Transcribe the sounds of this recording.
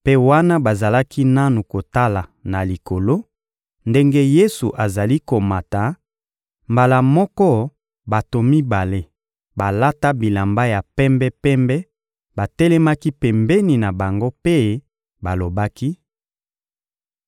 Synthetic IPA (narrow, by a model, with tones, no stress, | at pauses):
pe˦wa˦na˦ba˨za˨la˦ki˦na˦nu˨ko˨ta˦la˨na˨li˨ko˨lo˦ | nde˦ŋɡe˦je˦su˨ʔa˨za˨li˦ko˨ma˨ta˨˦ | mba˨la˨mɔ˦kɔ˦ | ba˨to˨mi˦ba˨le˦ | ba˨la˦ta˦bi˨la˨mba˦ja˨pɛ˦mbɛ˦pɛ˦mbɛ˦ | ba˨tɛ˦lɛ˦ma˦ki˦pɛ˨mbɛ˦ni˨na˨ba˨ŋɡo˦pe˦ | ba˨lo˨ba˦ki˦